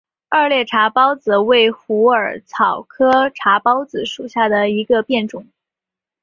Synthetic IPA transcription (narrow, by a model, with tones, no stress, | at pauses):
ə˞˥˧ljɛ˥˩ʈ͡ʂʰa˧˥pɑ˥ʊt͡sɹ̩˨˩we˥˩ɪxu˧˥ə˞˨˩t͡sʰɑ˨˩ʊkʰɤ˥ʈ͡ʂʰa˧˥pɑ˥ʊt͡sɹ̩˨˩ʂu˨˩ɕja˥˩d̪ə˩i˧˥ɡə˧pjɛ˥˩nʈ͡ʂʊ˨˩˦ŋ